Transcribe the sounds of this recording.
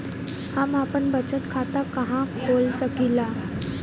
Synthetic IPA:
hamapəɳbət͡ɕət̪kʰat̪akəɦãkʰolsəkila

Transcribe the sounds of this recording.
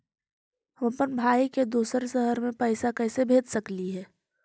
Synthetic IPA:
ɦʋə̃pənbʱaːiked̪uːsəɾʃəɦəɾmẽpɛɪsakɛːsebʱeːd̪səkliɦɛː

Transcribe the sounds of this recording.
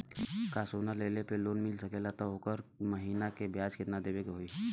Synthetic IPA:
kaːsuːnaleːlepeloːnmɪlsəkelat̪aɦokəɾməɦiːnakebjaːd͡ʒkɪt̪nad̪eːbeɡaɦoiː

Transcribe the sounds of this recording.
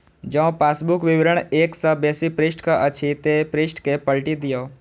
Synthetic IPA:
d͡ʒɐõpaːsbʊkʋɪʋɪɾəɳ̃eːksəbeːsipɾɪsʈkaʔət͡ʃʰit̪epɾɪsʈkepəlʈid̪ijoː

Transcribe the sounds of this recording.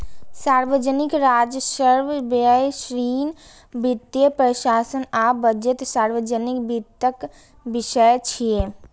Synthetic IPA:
saːɾʋəd͡ʒənɪkɾaːd͡ʒəsəɾʋbəjʃɾiːn | bɪt̪jəpɾəʃaːsənaːbəd͡ʒət̪saːɾʋəd͡ʒənɪkbit̪ːək | bɪʃəjt͡ʃʰie

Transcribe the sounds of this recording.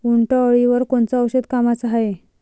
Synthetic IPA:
uɳʈəəɭiʋəɾkoɳt͡saəwɕəd̪kamat͡saɦaje

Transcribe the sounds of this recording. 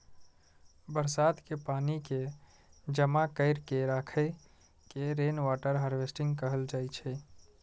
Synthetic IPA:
bəɾsaːd̪kepaːnike | d͡ʒəmakəɪɾkeɾakʰə | keɾenʋaʈəɾɦəɾʋesʈɪ̃ŋɡkəɦəld͡ʒaːjt͡ʃʰɛ

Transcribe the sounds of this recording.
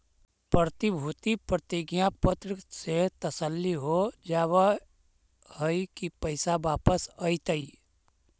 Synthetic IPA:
pɾət̪ibʱut̪ipɾət̪iɡjãpət̪ɾɪkset̪əsəlːiɦod͡ʒaːwa | həikipəɪsabaːpəsəit̪əi

